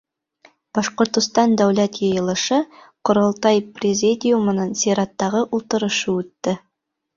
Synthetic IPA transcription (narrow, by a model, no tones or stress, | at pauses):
b̥ɑʃqŏɾt̪ŏst̪ɑnd̪æwlæt̪jɤjɤ̆lˠɤ̆ʃɤ | qŏɾolˠt̪ɑjprʲɪzʲid̪ʲɪjumɤ̆nɤnsʲiɾɑt̪ːɑʁɤʔulˠt̪ɤ̆ɾɤ̆ʃɤʉt̪ːɘ